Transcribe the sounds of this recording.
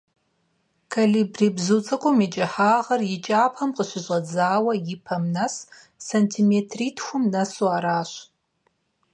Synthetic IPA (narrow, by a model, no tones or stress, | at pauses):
kʰalibribzut͡sʼɐkʷʼʊmit͡ʃʼɪħaːʁɐrjɪt͡ʃʼaːpʰɐmqəɕɪɕʼɐd͡zaːwɐjɪpʰɐmnɐsː | entʰimetʰriːtʰxʷʊmnɐsuaːɾaːɕ